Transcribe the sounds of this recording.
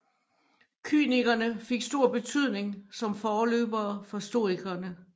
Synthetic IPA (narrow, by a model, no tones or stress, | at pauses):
kʰy̰ːniɡ̥ɐnəfe̝ɡ̥sd̥o̝ɐ̰b̥e̝t͡sʰyð̞̰ˠne̝ŋsɒ̽mfɒːlø̰ːb̥ɐːfɒ̽sd̥o̝ːiɡ̥ɐnə